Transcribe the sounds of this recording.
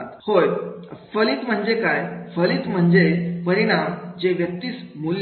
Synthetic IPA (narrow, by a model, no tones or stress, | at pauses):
t̪hojfəliːt̪m̤əɳd͡zekajfəliːt̪m̤əɳd͡zepəɾiɽ̃amd͡ʑeʋjək̚t̪iːt͡smulj